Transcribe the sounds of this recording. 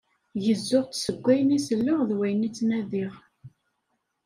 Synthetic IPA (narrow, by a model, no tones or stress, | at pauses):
jəzːʊʁt͡ssəɡʷːæjənisəlːəʁðwæjnit͡sːnæðiʁ